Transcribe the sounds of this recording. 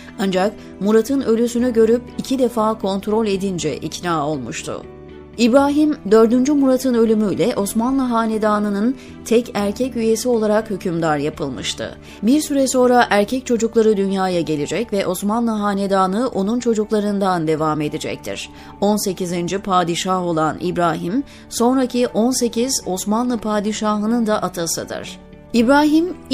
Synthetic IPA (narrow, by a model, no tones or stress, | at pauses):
and͡ʒak | muɾat̪ʰɯnø̞lʲysynyɟø̞ɾypicʰid̪efaːkʰo̞nt̪ɾo̞lʲe̞d̪ind͡ʒɛ̰ʔḭcnaːo̞lˠmuʃt̪ʰʊ̰ | ibɾaːɦimd̪ø̞ɾd̪ynd͡ʒymuɾat̪ʰɯnø̞lʲymyjlʲɛʔo̞smanlˠaɦaːned̪aːnɯnɯn | t̪ʰɛcæɾcʰɛcyje̞sio̞lˠaɾakhycʰymd̪aɾjapʰɯlˠmɯʃt̪ʰɯ̰ | biɾsyɾɛso̞nɾaʔæɾcʰɛc̚t͡ʃʰo̞d͡ʒuklˠaɾɯd̪ynjaːjaɟe̞lʲid͡ʒɛcvɛʔo̞smanlˠɯɦaːned̪aːnɯʔo̞nunt͡ʃʰo̞d͡ʒuklˠaɾɯnd̪and̪e̞vame̞d̪id͡ʒɛ̰c̚t̪ʰḭɾ̥ | o̞nse̞cʰizind͡ʒipʰaːd̪iʃaho̞lˠanḭbɾaːɦim | so̞nɾacʰiʔo̞nse̞cʰiz̥o̞smanlˠɯpʰaːd̪iʃaɦɯnɯnd̪aʔat̪ʰasɯd̪ɯ̰ɾ̥ | ibɾaːɦim